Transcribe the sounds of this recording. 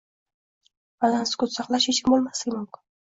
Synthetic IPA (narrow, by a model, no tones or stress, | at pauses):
balanskʊt̪sɑqlˠaʃeʃɪmbolˠmaslɪɡʲɪmʊmkʲɪn